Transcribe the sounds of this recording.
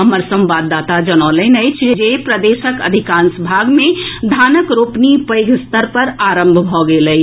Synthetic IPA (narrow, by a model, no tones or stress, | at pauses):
ɦəməɾsə̃mbad̪ːaːt̪ad͡ʒənɔːlənəjt͡ʃʰd͡ʒepɾəd̪eʃəkə̰d̪ʱikãːnsbʱaːɡmẽd̪ʱaːnəkɾopnipəɪɡʱst̪əɾpəɾaːɾə̃mbʱbʱɔɡeləi